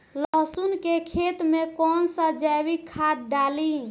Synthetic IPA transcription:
ləɦsunkekʰet̪mekɔnsə̃d͡ʒajbikʰːad̪̚ɖali

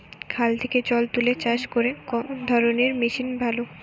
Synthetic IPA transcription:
kʰalt̪ʰeket͡ɕɔlt̪ulet͡ɕaʃkoɾeɔd̪ʱɔɾoneɾmiʃinbʱalo

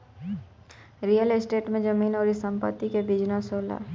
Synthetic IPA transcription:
ɾijəlesʈeːʈmẽd͡ʒəmiːnɔːɾɪsə̃mpə̰t̪ːikebid͡ʒnasoːla̰ː

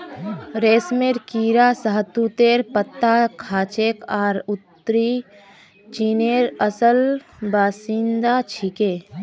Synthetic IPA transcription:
ɾeːsmeɾkiːɾasəɦt̪ut̪eːɾpət̪ːakʰaːt͡ʃeːkaːɾʊt̪ːɾi | t͡ʃineːɾəsəlbaːsĩnd̪at͡ʃʰikeː

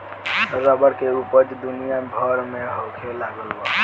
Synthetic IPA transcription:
t̪əɾabəɾkeupəd͡ʒ̪d̪unijabʱəɾmeɦokʰelaɡəlba

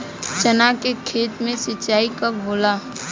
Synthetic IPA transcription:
t͡ʃənakekʰeːt̪mẽsɪt͡ʃːaːikabʱoːla

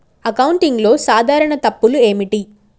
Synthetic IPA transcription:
ɐkɐwɳʈiŋɡlo̞ːsaːd̪ʱaːɾɐɳɐt̪ɐpːulue̞ːmiʈi

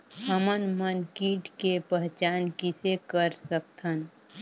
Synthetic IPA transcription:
ɦəmənmənkiːʈkepəɦt͡ʃaːnkisekəɾsək̚t̪ʰən

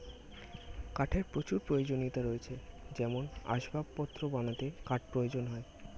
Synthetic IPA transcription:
kaʈʰeɾpɾot͡ɕuɾpɾojod͡ʑonit̪aɾoet͡ɕʰed͡ʑɛmona̰ʃbʱabpɔt̪ːɾobanat̪ekaʈ̚pɾojod͡ʑonɦɔe

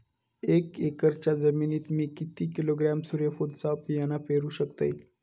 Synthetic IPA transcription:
ekekəɾt͡ɕazəmiːniːt̪miːkit̪iːkiloɡɾamsuɾefod̪sapijanapeɾuɕəkt̪ə̰j

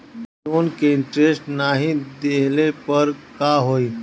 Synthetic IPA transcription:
onkeɪɳʈɾesʈnaɦid̪eɦlepəɾkaɦoi

